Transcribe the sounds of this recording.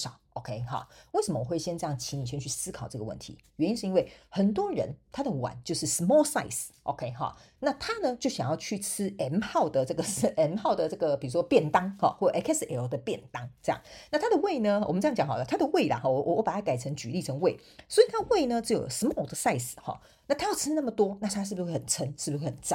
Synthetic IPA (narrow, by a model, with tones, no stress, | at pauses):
ʂɑ˨˩˦ʊʔo˨˩kʰe˥ɪxɑ̰˩we˥˩ɪʂə˨˩mə˦wɔ˨˩we˥˩ɪɕjɛ˥nt͡sʈ͡ʂɤ˥˧jɑ˥˩ŋt͡ɕʰi˧˥ŋni˨˩ɕ̬ʰɥɛ˥˧nt͡ɕʰy˥˩sɹ̩˥kʰɑ˨˩ʊʈ͡ʂɤ˥˩ɡə˩wə̰˥˩nt̪ʰḭ˧˦ɥɛ˧˦ni˥nʂɻ̩˥˧i˥we˥˩ɪxə˨˩nt̪wɔ˥ɻə̰˧˦nt̪ʰa˥d̪ə˨wa̰˨˩˦nt͡ɕjo˥˧ʊʂɻ̩˥˩smɔ˥sa̰˥˩ɪsʔo̰˨ʊkʰe˥ɪxɑ̰˨˩ | na˥˨t̪ʰa˥nə˧t͡ɕjo˥˩ʊɕjɑ̰˨˩ŋjɑ˥˧ʊt͡ɕʰy˥˩t͡sʰɹ̩˥ɛ˧˥nxɑ˥˩ʊd̪ə˩ʈ͡ʂɤ˥˩ɡə˩˥ɛ˧˥nxɑ˥˩ʊd̪ə˩ʈ͡ʂɤ˥˩ɡə˩pi˨˩u˦˥ʂwɔ˥pjɛ˥˩nt̪ɑ˥ŋhɔ̰˧xwɔ˥˩jo˨˩ʔɛ˥kʰɛ˥sɛ˧˥d̪ə˨˩pjɛ˥˨˩nt̪ɑ˥ŋʈ͡ʂɤ˥˧jɑ̰˥˩ŋna˥˩t̪ʰa˥d̪ə˨we˥˩ɪnə˧wɔ̰˨˩m˦ʈ͡ʂɤ˥jjɑ˨˦ŋxɑ˨˩lə˦t̪ʰa˥d̪ə˨we˥˩ɪla̰˩xɔ˥˩ɔ˧˦wʔɔ˧˦wɔ˧˦pa˨˩t̪ʰa˥˩ka˨ɪt͡sʰə˧˥ŋt͡ɕy̰˧li˥˩ʈ͡ʂʰə˧˥ŋwe˥˩ɪ | swɔ˧˥i˨˩t̪ʰa˥ə˧we˥˩ɪnə˨ʈ͡ʂ̩˥jo̰˨˩ʊsmɔ˥˩d̪ə˨sa˥˧ɪs̩˨˩xɑ̰˩ | na˥˩t̪ʰa˥jɑ˥˩ʊt͡sʰɻ̩˥˦na˥˩mə˩t̪wɔ˥na˥˩t̪ʰa˥ʂɻ̩˥˩bu˩we˥˩ə˨˩nt͡sʰə˧˥nʂɻ̩˥˩bu˩xwe˥˩xə˨˩nt͡sa˥˩